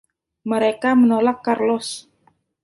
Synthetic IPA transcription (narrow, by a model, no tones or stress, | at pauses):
məɾekamənolakːarlɔs